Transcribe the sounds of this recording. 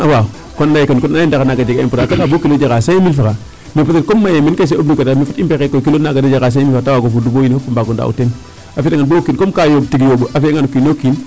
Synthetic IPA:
awa | kondajikənkonindakanaɡad͡ʒiɡaimputakatabokilod͡ʒaɡasajimilfaka | mifutetkomːajeminkas̬eobluketamifutimpekekːokilonːaɡaded͡ʒaɡas̬aifaatawaɡofudubojinfofumbaɡonda̰ṵten | afitaŋɡanbokinkomkajobtiɡijobəʔafeŋanukinokin

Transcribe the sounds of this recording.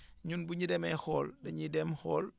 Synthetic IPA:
ɲunbuɲidɛmɛhɔːldɐɲidɛmhɔːl

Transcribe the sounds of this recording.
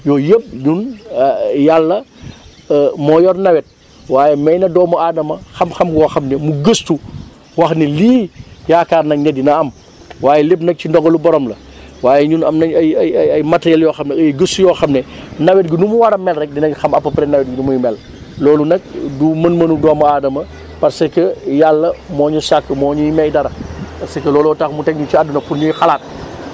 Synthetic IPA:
jɔːjəp̚ɲun | jalːɐ | mɔjɔrnɐwɛt̚ | waːjɛmɛjnɐdɔːmuadɐmɐxɐmxɐmɡɔːxɐmnɛmuɡəstu | wɐxniliːjaːkaːrnɐɲɐdinɐɐm | waːjɛlepnɐk̚cindɔɡɐlubɔɾɔmlɐ | waːjɛɲunɐmnɐɐjɐjɐjɐjmɐtːɐjɐljɔːxɐmnɛɐjɡəstujɔːxɐmnɛnɐwɛt̚ɡinumuwɐɾɐmɛlrɛk̚dinɛkxɐmɐpːɐpɾɛnɐwɛt̚ɡinumujmɛl | lɔːlunɛk̚dumɐnmɐnudɔːmɐaːdɐmɐ | pɐɾsɐkɐjalːɐmɔːɲusakːəmɔːɲujimɛjdɐɾɐpɐsɐkɐlɔːlɔtaxmutɛkɲut͡ʃiadunɐfuɾɲujxɐlaːt̚

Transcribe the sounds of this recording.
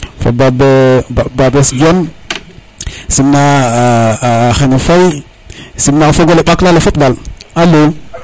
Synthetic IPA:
fa̰babbabesd͡ʒon | simna | xenefaj | simnafoɡoleɓaklalefotbalalo

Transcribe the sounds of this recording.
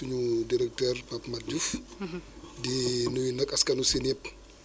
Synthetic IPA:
uɲudiɾɛk̚tɛrpɐpmɐd͡ʒuf | dinujinɐkɐskɐnusinɛp̚

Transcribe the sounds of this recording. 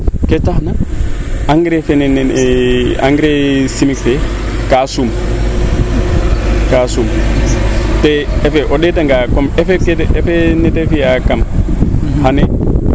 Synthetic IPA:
kɛtahna | aŋɡɾɛfɛnɛn | a̰ŋɡɾesimikfɛ | kasum | kasum | tɛɛfɛʔɔɗɛtaŋɡakɔmɛfɛkɛtɛfɛnɛtɛfijakam | hanɛ

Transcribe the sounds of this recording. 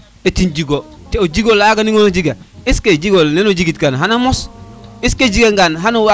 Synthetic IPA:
etind͡ʒiɡo | teod͡ʒiɡolaɡaniŋonod͡ʒiɡaisked͡ʒiɡolnenod͡ʒiɡitkanɦanamosisked͡ʒiɡeŋɡanɦanowa

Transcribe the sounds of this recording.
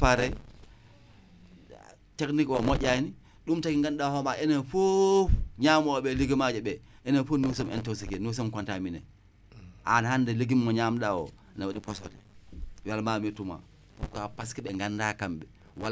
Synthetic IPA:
aɾa | teknikɔmɔɟʲani | ɗumtakiŋɡanɗahɔmaʔɛnɛfuɲamɔɓɛliɡimad͡ʒɛɓɛʔɛnɛfunus̬ɔmɛ̰ntɔwsikɛnus̬ɔmkantaminɛ̰ | ʔa̰nhandɛliɡimːɔɲamɗawɔ̰ | nawaɗipɔsɔdɛwalmametuma̰ | kapaskiɓɛŋɡandakamɓɛ | wa

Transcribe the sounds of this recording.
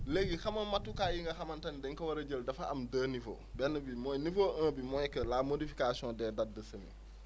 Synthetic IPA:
leɡixɐmɐnmɐtːukaːjiŋɡɐxɐmɐntɐnidɛŋkɐwɐɾɐɟəldɐfɐɐmdəːnifo̰ | bɛnːəbimɔjnifoːʔə̃ːbimɔjkəlaːmodifi̥kasiɔ̃ːndɛːdadːəsɐmḭ

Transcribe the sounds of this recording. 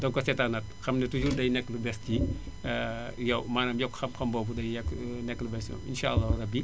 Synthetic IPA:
dɔŋkɔsɛtanɐt̚xɐmnɛtud͡ʒuɾdɐjnɛkːləbɛsti | jɛwmaːnamjɔkːxɐmxɐmbɔːbudɐjjɛknɛkːləbɛstiɔ̰mḭnʃaɐlːaɾɐbi

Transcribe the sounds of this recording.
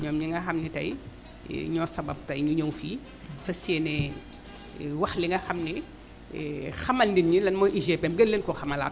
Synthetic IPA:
ɲɔːmɲiŋɡɐxɐmnitɐ̰j̰ | ɲɔsɐbɐ̰b̚tɐjɲuɲowfiː | fɐsiɛnɛ | wɐxliŋɡɐxɐmni | xɐmɐlndinɲilɐnmɔʔiʒɛpɛmɡəlːenkɔxɐmɐla̰ːt

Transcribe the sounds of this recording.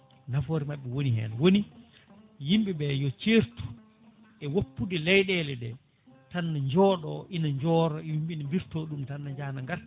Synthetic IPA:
nafoːɾimaɓːɛwonihɛ̰nawoni | jimbibɛjɔt͡ʃeɾtu̥ | ɛwopːudilɛjɗɛlɛɗɛ | tanːaɲd͡ʒɔːɗɔʔinaɲd͡ʒɔːɾɔwimbinambiɾtoɗumtanːaɲd͡ʒaːnaŋɡaɾ

